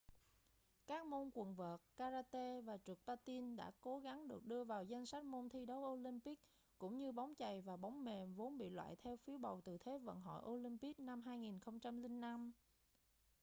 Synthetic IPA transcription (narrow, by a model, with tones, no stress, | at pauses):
kaː˦˥k̚mo˧nkwə˨˩nvəː˨˩t̚kaː˧zaː˧t̪e˧vaː˨˩t͡ɕɨ˨˩k̚paː˧t̪i˧nɗa̰ː˧˥ko˨˦ɣa˨˦ŋɗɨ˨˩ək̚ɗɨ˧əvaː˨˩wzə˧jŋ̟sa˦˥t̟̚mo˧nt̪ʰi˧ɗə˨˦wʔo˧li˧mpi˦˥k̚ | kʊ̰˧˥ŋ͡mɲɨ˧ɓa˨˦wŋ͡mt͡ɕa˨˩jvaː˨˩ɓa˨˦wŋ͡mme˨˩nvo˨˦nɓḭ˧˨lwa̰ː˧˨jt̪ʰɛ˧wfi˨˦əwɓə˨˩wt̪ɨ˨˩t̪ʰe˨˦və̰˧˨nɦɔ̰˧˨jʔo˧li˧mpi˦˥k̚na˧mɦaː˧jŋi˨˩nxə˧wŋ͡mt͡ɕa˧mli˧ŋ̟ːa˧m